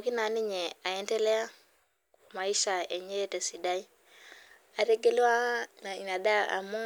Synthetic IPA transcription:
o˨ki˦na˨˦ni˦ɲe˨a˨e˦nte˦le˦a˦ | ku˨ma˨i˦ʃa˨e˨ɲe˦te˨si˨da˦i˦ | a˨ɾe˦ɡe˦le˦wa˦na˨na˨da˦a̰˨mu˦

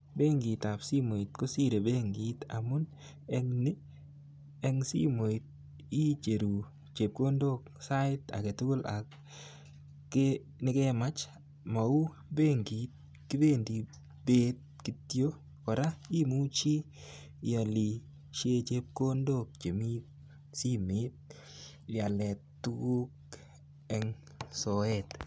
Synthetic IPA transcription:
be˦ŋɡi˨t̪a˨psi˦mo˨i˨t̪ko˦si˦ɾe˨be˦ŋɡi˨˦t̪a̰˨mʊ˦n | ɛ˦ŋnɪ˦ | ɛ˦ŋsḭ˦mo˨i˨t̪̚ | i˦t͡ʃe˨ɾu˨ | t͡ʃe˨p̚ko˦ndo˦ksa˦ɪ˦ta̰˨ke˨tʊ˦ko˦la̰˨k | nɪ˦kɛ˦ma˦t͡ʃ | ma˨u˦ | be˦ŋɡi˨t̪̚ | kɪ˦be˦ndi˨ | b̥e˦t̚ki˨tjo˦ | kɔ˨ɾa˦i˦mu˦t͡ʃi˦ | jɔ˨li˨ | ʃe˦t͡ʃe˦p̚ko˦ndok̚t͡ʃe˨mi˦t̚ | si˦me˦t̚ | ja˨lɛ˨ttːu˦ɡu˦k̚ | ɛ˦ŋ | sɔ˨ɛt

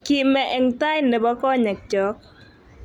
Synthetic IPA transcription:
ki˨mɛ˨ʔɛ˨ŋta˦jndɛ˨bɔ˦kɔ˦ɲɛ˨k̚t͡ʃɔ˨˦k̚

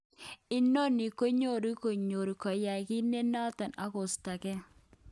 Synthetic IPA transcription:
ɪ˦no˦ni˨ko˦ɲo˦ɾi˦ko˨ɲo˨ɾi˨kɔ˨ja˨jki˦ne˦nɔ˦tɔ˨na˦kʊ˨sta˨kɛ˦

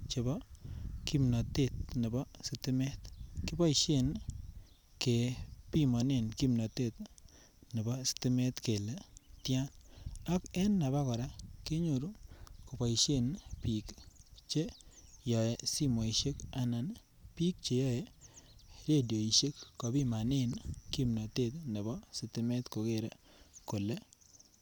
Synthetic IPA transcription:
t͡ʃe˨bɔ˦ki˦mnɔ˨te˦˨t̪̚nɪ˨bɔ˦si˦tɪ˦mɛ˦t̪kɪ˦bɔ˦i˨ʃe˦˨n | ke˨pi˦mɔ˨ne˨nki˦mnɔ˨te˦˨t | ne˨bɔ˦si̥tɪ˦me˦tke˨le˨tja˦na˦kɛ˦nːa˨ba˦kɔ˨ɾa˦ke˦ɲo˨ɾu˦ko˨pa˨i˨ʃe˦npi˨kt͡ʃe˦jɔ˨e˨si˦mo˨i˨ʃe˦ka˦na˨n | pi˦k̚t͡ʃe˨jɔ˦je˦ | ɾe˦˨do˨i˨ʃe˦kːɔ˨bi˦ma˨nɪ˦˨nki˦mnɔ˨te˦˨t̪ne˨bɔ˦sɪ˨tɪ˦mɛ˦t̪ko˨ke˦˨ɾe˨ko˨le˦

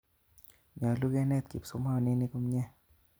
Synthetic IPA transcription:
ɲa˨lu˦kɛ˧nɛ˦˧˨t̪̚ki˨p̚so˨˦mha˧˩˨ni˦˧˦ni˧ku˧mɲɛ˧˨

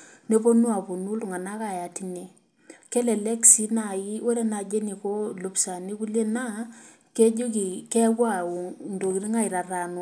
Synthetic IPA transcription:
ne˦po˦nwa˨po˨nu˦lu˨ŋa˨na˦ka˨ja˨ti˦ne˨ | ke˦lɛ˨lɛ˦ksi˦na˨ji˦we˦ɾe˦na˨d͡ʒe˦ni˨ko˦lo˨˦psa˨ni˦ku˦lje˦na˦ | ke˦d͡ʒo˦ki˨kɛ˦kwa˦o˨ndo˨ki˨ɾi˦ŋa˦˨i˨ɾa˨ra˨nwa˨˦˨

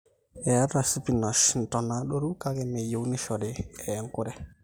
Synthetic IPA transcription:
ɛ˨a˦ɾa˨si˦pi˨nɔ˨ʃn̩˨tɔ˨na˨˦ɗo˦ɾu˦ka˦kɛ˦me˨jo˨u˦nɪ˦ʃɔ˨ɾɪ˨ɛ˨ŋ˦kʊ˦ɾɛ˦

